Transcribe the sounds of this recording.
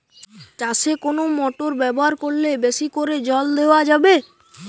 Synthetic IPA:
t͡ɕaʃekonomɔʈoɾbɛboɦaɾkoɾlebeʃikoɾed͡ʑɔld̪eoad͡ʑabe

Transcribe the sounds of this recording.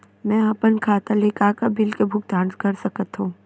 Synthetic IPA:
mɛ̃ːɐpənkʰaːt̪aleːkaːkabɪlkebʱʊk̚d̪ãːnskɐɾsɐkət̪ɦũː

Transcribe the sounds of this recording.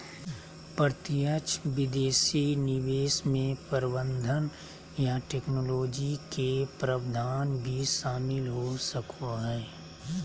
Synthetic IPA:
pəɾt̪ɪjət͡ʃʋɪd̪eːʃinɪʋeːsmẽpəɾɪbə̃nd̪ʱən | jaʈeːknoloːd͡ʒikepɾəʋd̪ʱaːnbʱiʃaːmɪlɦosəkʰoɦɛː

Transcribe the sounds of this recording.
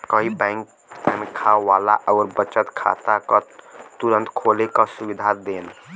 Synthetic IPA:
kəɦibaɪŋk | t̪amekʰaʋala̰ʔɔʊɾbət͡ʃət̪kʰa̰t̪akat̪uɾənt̪kʰolekasubid̪ʱad̪eːn

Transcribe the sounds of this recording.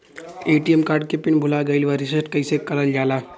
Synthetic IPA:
eːʈijemkaːɾɖ̚kepɪnbʱʊlaɡɐɪlʋaɾɪsəsʈkɐisekɐɾəld͡ʒaːlaː

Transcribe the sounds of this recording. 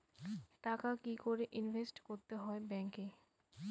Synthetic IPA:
ʈakakikoɾeʔinvʱesʈkoɾt̪eɦɔebɛŋke

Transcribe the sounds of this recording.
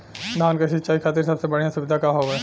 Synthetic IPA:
naːnkeʃɪt̪ːt͡ʃaːikʰaːt̪iɾsɐbsebɐɽijãsʊʋɪd̪ʱakaɦoɛː

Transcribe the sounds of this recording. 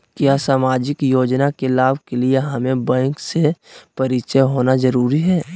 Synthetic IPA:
kjaːsaːmaːd͡ʒɪkjoːd͡ʒnakelaːbkelieɦamẽbə̃ŋksepɐɾɪt͡ʃəɦoːnazɐɾuːɾiɦɛː

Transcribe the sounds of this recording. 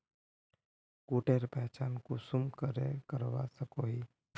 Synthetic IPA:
kuːʈeːɾpɛɦt͡ʃaːnkosʊmkəɾḛkəɾʋa̰səkoːɦiː

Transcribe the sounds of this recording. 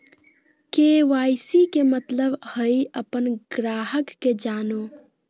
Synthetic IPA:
keʋajsikemət̪ləbhəiəpənɡɾaːɦəkːed͡ʒaːno

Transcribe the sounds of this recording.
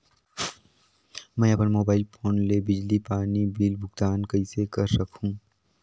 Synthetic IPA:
mɛ̃ːɐpənmoːbaːɪlfʰoːnlebɪd͡ʒlipaːnibiːlbʱʊɡt̪aːnkɐisekɐɾsɐkʰũː

